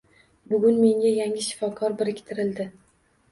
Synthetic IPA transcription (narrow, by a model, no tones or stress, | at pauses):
bʊɡʲʊnme̞ŋɡʲajaŋʲɪʃɪ̥fɒkʰɒɾbɪɾɪkʲt̪ʰɪɾɪld̪ɪ